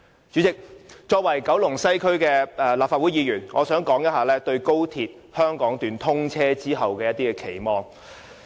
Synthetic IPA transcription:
t͡ʃyː˨˥t͡sɪ˨k̚t͡ʃɔː˧k̚wɐ˨˩jkɐ˨˥wlʊ˨˩ŋsɐ˥jkʰɵ˥ɥkɛː˧ɛ˧laː˨p̚faː˧t̚u˨˥jiː˨˧jyː˨˩nŋɔː˨˧sœː˨˥ŋkɔː˨˥ŋjɐ˥t̚ɦaː˨˧lɛː˥t̪ɵ˧ɥko˥wt̪ʰiː˨˧t̚ | hœː˥ŋkɔː˨˥ŋt̪yː˨˧nt̪ʰʊ˥ŋt͡sʰɛː˥t͡siː˥ɦɐ˨wkɛː˧jɐ˥t̪̚iː˥kɛː˧kʰe˨˩jmɔː˨˧ŋ

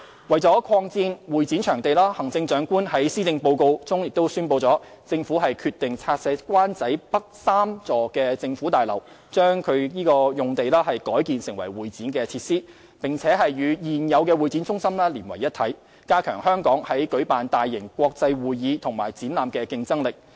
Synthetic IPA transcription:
wɐ˨˩jt͡sɔː˨˥kʰɔː˧ŋt͡siː˧nwuː˨˩jt͡siː˨˥nt͡ʃʰœː˨˩ŋt̪e˨jlaː˥hɐ˨˩ŋt͡sɪ˧ŋt͡ʃœː˨˥ŋkuː˥nhɐ˨˥jsiː˥t͡sɪ˧ŋpo˧wko˧wt͡sʊ˥ŋjɪ˨k̚t̪o˥wsyː˥npo˧wt͡sɔː˨˥ | t͡sɪ˧ŋfuː˨˥ɦɐ˨jkʰyː˧t̪ɪ˨ŋt͡sʰaː˧t̚sɛː˨˧˥kwaː˥nt͡sɐ˨˥jpɐ˥k̚saː˥mt͡sɔː˨˩kɛː˧t͡sɪ˧ŋfuː˨˥t̪aː˨˩jlɐ̰˨˩w | t͡ʃœː˥ŋkʰɵ˨˧ɥjiː˥kɔː˧jʊ˨ŋt̪e˨jlaː˥hɐ˨jkɔː˨˥jkiː˨nsɪ˨˩ŋwɐ̰˨˩jwuː˨jt͡siː˨˥nkɛː˧t͡sʰiː˧t̚siː˥ | pɪ˨˩ŋt͡sʰɛː˨˥ɦɐ˨jːyː˨˧jiː˨njɐ˨˧wkɛː˧wuː˨˩jt͡siː˨˥nt͡sʊ˥ŋsɐ˥mlaː˥liː˨˩nwɐ˨˩jːɐ˥t̪ʰɐ˨˥j | kaː˥kʰœː˨˩ŋhœː˥ŋkɔː˨˥ŋhɐ˨˥jkɵ˨˥ɥpaː˨nt̪aː˨jːɪ˨˩ŋkʷɔː˧k̚t͡sɐ˧jwuː˨jjiː˨˧t̪ʰʊ˨˩ŋmaː˨˩jt͡siː˨˥nlaː˨mkɛː˧kɪ˧ŋt͡sɐ˥ŋlɪ˨˩k̚

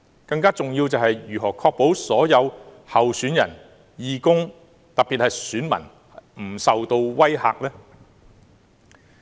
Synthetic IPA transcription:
kɐ˧ŋkaː˥t͡sʊ˨ŋjiː˧wt͡sɐ˨whɐ˨jjyː˨˩ɦɔː˨˩kʰɔː˧k̚po˨˥wsɔː˨˥jɐ˨˧w | hɐ˨wsyː˨˥njɐ̰˨˩n | jiː˨˧kʊ˥ŋ | t̪ɐ˨piː˨t̚hɐ˨jsyː˨˥nmɐ̰˨˩n | m̩˨˩sɐ˨wt̪o˧wwɐ˥jha̰ː˨˧k̚lɛː˥

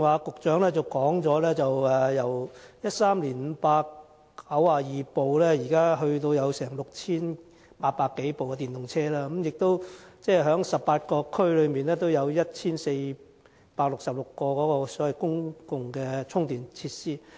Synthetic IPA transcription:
waː˨˧kʊ˨k̚t͡ʃœː˨˥ŋlɛː˥t͡sɐ˨wkɔː˨˥ŋt͡sɔː˨˥lɛː˥t͡sɐ˨wɛː˨˩jɐ˨˩wjɐ˥t̚saː˥mliː˨˩nm̩˨˧paː˧kː | ɐ˨˥waː˨jiː˨˩po˨wlɛː˥jiː˨˩kaː˥ɦɵ˧ɥt̪̬o˧wjɐ˨˧wsɛː˨˩ŋlʊ˨k̚t͡sʰiː˥n | paː˧t̚paː˧kːe˨˥jpo˨wkɛ˧t̪iː˨˩nt̪ʊ˨˩ŋt͡sʰɛː˥laː˥˧kə˨˦mjɪ˨k̚t̪o˥wt͡sɛː˥˩ɦœː˨˥ŋsɐ˨˩ppːaː˧t̚kɔː˧kʰɵ˥ɥlɵ˨˧ɥmiː˨nlɛː˥t̪o˥wjɐ˨˧wjɐ˥t̚t͡sʰiː˥nse˧j | paː˧k̚lʊ˨ksɐ˨p̚lʊ˨kːɔː˧kɔː˨˥kɔː˧sɔː˨˥wɐ˨˩jkʊ˥ŋkʊ˨ŋkɛ˧t͡sʰʊ˥ŋt̪iː˨nt͡sʰiː˧t̚siː˥

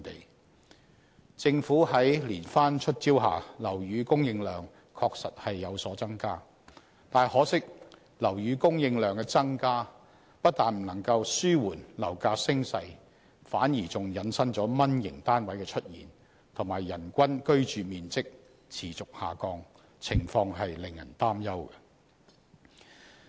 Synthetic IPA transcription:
t̪ḛ˨˩j | t͡sɪ˧ŋfuː˨˥ɦɐ˨˥jliː˨˩nfaː˥nt͡ʃʰɵ˥t̚t͡siː˥wɦa̰ː˨lɐ˨˩wjyː˨˧kʊ˥ŋjɪ˧ŋlœː˨˩ŋ | kʰɔː˧k̚sɐ̰˨t̚hɐ˨jːɐ˨˧wsɔː˨˥t͡sɐ˥ŋkaː˥ | t̪aː˨nhɔː˨˥sɪ˥k̚ | lɐ˨˩wjyː˨˧kʊ˥ŋjɪ˧ŋlœː˨˩ŋkɛ˧t͡sɐ˥ŋkaː˥ | pɐ˥t̚t̪aː˨nm̩˨˩nɐ˨˩ŋkɐ˧wsyː˥wuː˨˩nlɐ˨˩wkaː˧sɪ˥ŋsɐ˧j | faː˨˥njiː˨˩t͡sʊ˨ŋjɐ˨˥nsɐ˥ŋt͡sɔː˨˥mɐ˥njɪ̰˨˩ŋt̪aː˥nwɐ˨˥jkɛ˧t͡ʃʰɵ˥t̚jiː˨˩n | t̪ʰʊ˨˩ŋmaː˨˩jːɐ˨˩nkʷɐ˥nkɵ˥ɥt͡ʃyː˨miː˨nt͡sɪ˥k̚ | t͡sʰiː˨˩t͡sʊ˨k̚haː˨kɔː˧ŋ | t͡sʰɪ˨˩ŋfɔː˧ŋɦɐ˨jlɪ˨ŋjɐ̰˨˩nt̪aː˥mjɐ˥wɡɛ˧

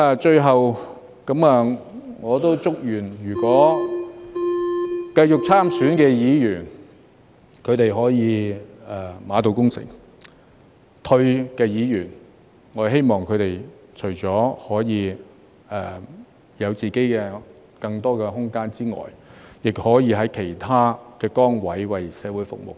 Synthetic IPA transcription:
aː˨˧t͡ʃɵ˧ɥɦɐ˨w | kɐ˨˥maː˧ŋɔː˨˧t̪o˥wt͡sʊ˥k̚jyː˨˩njyː˨˩kwɔː˨˥ | kɐ˧jt͡ʃʊ˨k̚t͡sʰaː˥msyː˨˥nkɛː˧jiː˨˧jyː˨˩n | kʰɵ˨˧ɥt̪e˨jɦɔː˨˥jiː˨˧ɛ˨maː˨˧t̪o˨˧wkʊ˥ŋsɪ̰˨˩ŋ | t̪ʰɵ˧ɥkɛː˧jiː˨˧jyː˨˩n | ŋɔː˨˧ɦe˥jmɔː˨ŋkʰɵ˨˧ɥt̪e˨˩jt͡ʃʰɵ˨˩ɥt͡sɔː˨˥hɔː˨˥jiː˨˧ | ɛː˨˩ | jɐ˨˧wt͡siː˨˩ke˨˥jkɛː˧ | kɐ˧ŋt̪ɔː˥kɛː˧ɦʊ˥ŋkaː˥nt͡siː˥ŋɔ̰ː˨˩jjɪ˨k̚hɔː˨˥jiː˨˧ɦɐ˨˥jkʰe˨˩jt̪ʰaː˥kɛː˧kɔː˥ŋwɐ˨˥jwɐ˨jsɛː˨˧wuː˨˥jfʊ̰˨k̚mo̰˨˩w

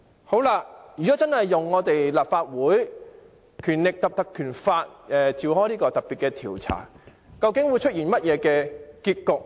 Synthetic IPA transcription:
ho˨˥wlaː˧jyː˨˩kɔː˨˥t͡sɐ˥nhɐ˨jːʊ˨ŋːɔː˨˧t̪e˨jlaː˨p̚faː˧t̚wuː˨˥j | kʰyː˨˩nlɪ˨k̚t̪ɐ˨p̚t̪ɐ˨kʰːyː˨˩nfaː˧t̚ʔɛː˧t͡siː˨whɔː˥jliː˥kɔː˧t̪ɐ˨k̚pːiː˨t̚kɛː˧t̪ʰiː˨˩wt͡sʰa̰ː˨˩ | kɐ˧wkɪ˨˥ŋwuː˨˧jt͡ʃʰɵ˥t̚jiː˨˩nmɐ˥t̚jɛː˨˧kɛː˧kiː˧t̚kʊ˨k̚

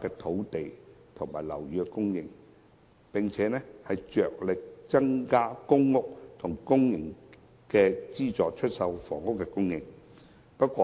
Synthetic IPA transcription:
kɛː˧t̪ʰo˨˥wt̪e˨jt̪ʰʊ˨˩ŋmaː˨˩jlɐ̰˨˩wjyː˨˧kɛ˧kʊ˥ŋjɪ˨ŋ | pɪ˨ŋt͡sʰɛː˨˧˦nɛː˥hɐ˨jt͡ʃœː˨k̚lɪ˨k̚t͡sɐ˥ŋkaː˥kʊ˥ŋːʊ˥k̚t̪ʰʊ˨˩ŋkʊ˥ŋjɪ˨˩ŋ | kɛː˧t͡siː˥t͡sɔː˨k̚t͡ʃʰɵ˥t̚sɐ˧wfɔː˨˩ŋʊ˥kːɛ˧kʊ˥ŋjɪ˨ŋ | pɐ˥t̚kʷɔː˧

